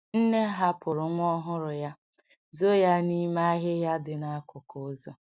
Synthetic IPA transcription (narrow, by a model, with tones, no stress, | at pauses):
n̩˦ne˦ɦa˦pʰʊ˨ɾʊ˨ŋʷ˦ɔ˦ɦʊ˦ɾʊ˨ja˦ | zo˦ja˦ni˦ma˦a˦ɦɪ˦ja˦dɪ˨na˦a˦kʊ˨kʊ˨˦zɔ˦